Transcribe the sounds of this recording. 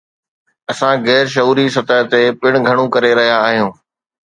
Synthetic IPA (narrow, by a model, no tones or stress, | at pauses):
ɐsãɣɛːɾʃ̬ɐɦuːɾisɐt̪əɦt̪epɪɽ̃ɡʱɐɽ̃ũkɐɾeɾɐɦijaːɦijũː